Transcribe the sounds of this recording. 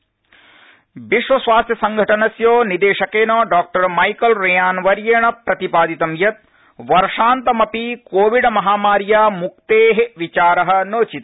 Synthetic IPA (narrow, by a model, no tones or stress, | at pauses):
biʂʋɐsʋaːst̪ʰjɐsɐŋɡʱɐʈɐnɐsjoːnid̪eːʂɐkeːnoːɖaːk̚ʈɐɾmɐjkɐlɾejaːnʋɐɾjeːɳɐpɾɐt̪ipaːd̪it̪ɐmjɐt̪̚ | ʋɐɾʂaːnt̪ɐmɐpikoːʋiɖmɐɦaːmaːɾjaːmuk̚t̪eːɦeʋit͡ʃaːɾɐɦɐ̆noːt͡ʃit̪